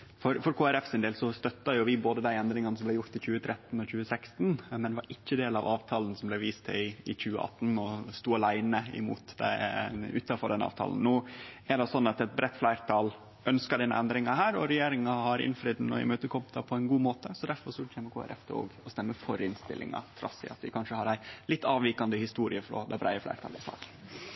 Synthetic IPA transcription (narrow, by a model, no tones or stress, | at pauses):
fɔɾfɔɾkʰoːæɾɛfsɪnd̪eːlsɔst̪œt̪ːɑjʊʋɪboːd̪əd̪æɪɛnd̪ɾɪŋɑnəsɔmblæɪjʊɾt̪ɪçʉːət̪ʰɾɛt̪ːn̩ɔçʉːəsækst̪nmɛnd̪ɛʋɑɾɪçːəd̪eːlɑ̰ʋɑːʋt̪ʰɑːln̩sɔmblɛʋiːst̪ʰɛɪɪçʉːə̰ʔɑ̰t̪ːn̩ɔst̪uːɑlæɪnəɪ̰mṵːt̪d̪æ̰ʉ̰ːt̪ɑfɔɖɛnɑ̰ːʋt̪ʰɑ̰ːln̩nuːæɖɛsɔnːɑt̪ɛt̪̚bɾɛt̪ːflæɪɾt̪ʰɑːl | ʔœnskɑɖɛnːə̰ʔɛnd̪ɾɪŋɑɦæːɾɔɾɛjeːɾɪŋɑhɑɾɪ̰nfɾiːd̪n̩ːɔɪ̰møːt̪əkʰɔmɑpʰɔæɪnɡuːmoːt̪əsɔd̪æɾfɔɾʂɔt͡ʃʰɛmːəkʰoːæ̰ɾɛ̰ft̪ʰɛ̰o̰ːɡɔst̪ɛmːəfɔɾɪnst̪ɪ̰lʔɪ̰ŋɑ̰t̪ʰɾɑ̰sɪ̰ɑ̰t̪ʋɪkʰɑnʂəhɑɾæɪlɪt̪ːɑːʋiːkɑnd̪əhɪst̪uːɾɪəfɾɔ̰d̪ɛbɾæɪəflæ̰ɪɾt̪ʰɑːləɪsɑ̰ːk̪n